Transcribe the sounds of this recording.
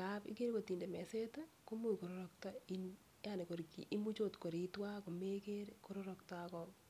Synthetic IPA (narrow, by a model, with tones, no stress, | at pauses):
kapḭ˦ke˦ɾko˨ti˨nde˨mɛ˨se˦tako˦mu˦ko˨ɾoɾɔk̚tai˦n | jane˨ko˨ɾkḭ˨ʔi˦mu˦t͡ʃo˦tko˨ɾi˨twa˦ko˨me˦ke˦ɾko˦ɾɔɾɔktakɔ